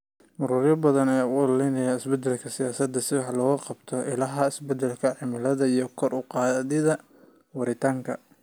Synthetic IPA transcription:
mʊɾuːɾjɐbɐðɐnɛjaːʊllɛjnɐjaːɪsbɛd̪ɛlkʰɐsɪjaːsɐd̪ːɐsɪwħlɔːɣɐqɑbt̪ʰɔʔɪlɐɦɐɪsbɛd̪ɛlkʰɐʕɪmɪlɐðɐijɞkʰɔrʔʊqɑːðɪðɐ | wɑɾɪt̪ʰaːŋkʰɐ̰

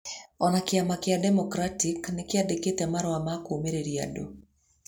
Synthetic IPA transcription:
ɔnakɪamakɪadɛmɔkɾatiknɪkɪadeketɛmaɾɔwamakomeɾeɾja̰do̰

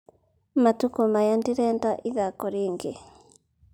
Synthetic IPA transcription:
matukɔmajandiɾɛːndaʔiðakɔɾeːŋɡe

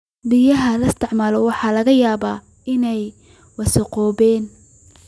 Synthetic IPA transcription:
bijɐɦɐlɐst̪ʰɪʕmaːlɔwɑħɑːlɐɣɐjaːbaː | ɪnɛj | wɑsɐqɔːbɛːn

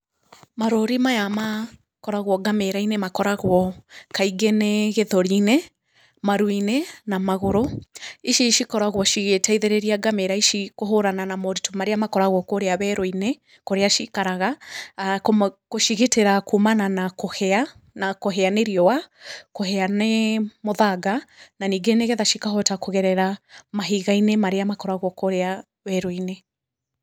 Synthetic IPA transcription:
maɾoɾimajama | kɔɾaɣwɔɡameɾainemakɔɾaɣwɔkaiɡɛneɣeðɔɾine | maɾwinenamaɣoɾoiʃiʃikɔɾaɣwɔʃiɣetaiðeɾeɾiaɡameɾaiʃikoɦoɾananamɔɾitumaɾeamakɔɾaɣwɔkoɾeaβɛɾɔine | koɾeaʃikaɾaɣakkoʃiɣeteɾakumananakohɛa | nakoɦɛaneɾiɔwakoɦɛanemoðaɡananiːɡeneɣɛðaʃikaɦɔtakoɣɛɾɛɾamaɦiɣainemaɾeamakɔɾaɣwɔkoɾea | βɛɾoine

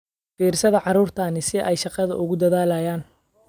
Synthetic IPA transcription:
fiːrsɐðɐʕɑɾuːrt̪ʰaːnɪsɪʔɛjʃɑqɑðɐ̰ʔʊɣʊd̪ɐðaːlaːjaːn

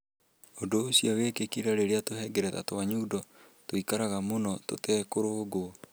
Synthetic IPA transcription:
ondoːsjɔɣeːkekiɾaɾeɾeatoɦɛɡɛɾɛða̰twaɲuːdɔ | toikaɾaɣamonɔto̰tɛːkoɾoɡo

